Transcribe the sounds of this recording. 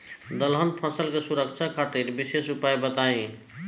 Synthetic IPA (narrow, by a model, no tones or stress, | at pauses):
d̪əlɦənpʰəsəlkesuɾəkt͡ʃʰakʰat̪iɾbisesupajbət̪aĩ